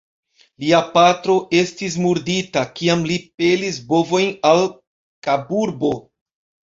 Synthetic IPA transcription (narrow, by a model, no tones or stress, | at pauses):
liapatɾo̞ʔe̞stis̬muɾditakiamlipe̞lisbo̞vo̞jnal | kabuɾbo̞